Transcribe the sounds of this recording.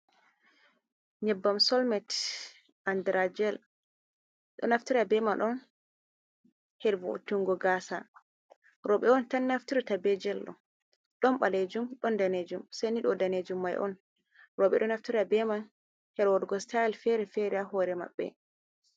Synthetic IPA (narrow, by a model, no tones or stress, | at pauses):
ɲɛbːamsɔlmɛt | ʔandɾad͡ʒɛl | ɗɔ̰naftiɾabɛmanʔɔn | hɛɾvo̰tuŋɡɔɡaːsa | ɾɔɓɛɔntanːaftiɾitabɛd͡ʒɛlːɔ̰ | ɗɔmɓaled͡ʒumɗɔndaned͡ʒumsaniɗɔdaned͡ʒumːajʔɔ̰n | ɾɔɓɛ̰ɗɔnaftiɾabɛman | hɛɾwɔdɡɔstaɛlfɛɾɛfɛɾiaɦɔɾɛma̰ɓːɛ̰